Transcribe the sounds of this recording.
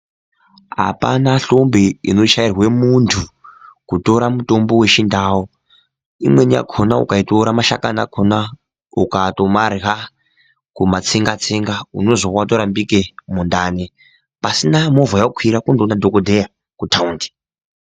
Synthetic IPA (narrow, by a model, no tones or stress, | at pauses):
ɦa̰pa̰naɬo̞mbiino̞ʃairwe̞muntʰukuto̞ɾamuto̞mbo̞we̞t͡ʃindaːwo | imwe̞nia̰kʰonaṵkaitoɾamaʃa̰kana̰kʰona | ukatomarɦa | kumat͡siŋɡat͡siŋɡauno̞zowatoɾambikemondaːne | pasinamovajakʰwiɾakundonadʱokodʱeja | kutʰaundi̥